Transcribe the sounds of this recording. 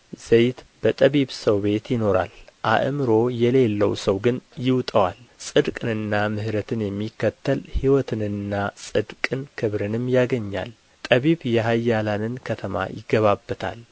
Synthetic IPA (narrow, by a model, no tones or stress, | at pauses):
z̥ejt̪b̥ət̪ʼəβiβsəwbe̞t̪jɪno̞ɾa̰lʔa̰ʔɨmɨɾo̞jɛle̞lːəwsəwɡɨnjɪwt̪ʼəwalsʼɨd̪kʼɨnɨnːamɨhɾət̪ʰɨnjɛmːikːət̪ʰːəlhiwɔt̪ʰɨnɨnːasʼɨd̪kʼɨnkʰɨβɾɨnɨmjaɡəɲːa̰l | t̪ʼəβiβjɛɦajːalanɨnkʰət̪ʰəma̰jɪɡəβabːət̪ʰa̰l